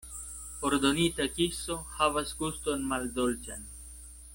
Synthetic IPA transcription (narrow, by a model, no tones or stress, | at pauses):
oɾd̪onit̪akisohavasɡust̪onmald̪olt͡ʃa̰n